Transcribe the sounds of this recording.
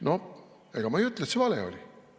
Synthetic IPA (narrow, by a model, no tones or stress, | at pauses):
no | eɡ̥ɑmɑejyt̪let̪sevɑlḛo̰lʲi